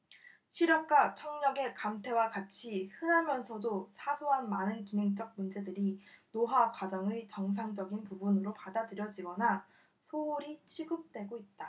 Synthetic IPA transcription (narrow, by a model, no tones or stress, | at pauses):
ɕʰiɾjʌk̚k͈at͡ɕʰʌŋɲʌɡe̞kamtʰe̞wakat͡ɕʰihɯnɦamjʌnsʰʌdosʰasʰoɦanmanɯnkinɦeŋt͡ɕ͈ʌk̚mund͡ʑe̞dɯɾinoɦakwad͡ʑʌŋet͡ɕʌŋsʰaŋd͡ʑʌɡinpubunɯɾopadadɯɾjʌd͡ʑiɡʌna | sʰoːɾit͡ɕʰiɡɯp̚t͈we̞ɡoit̚t͈a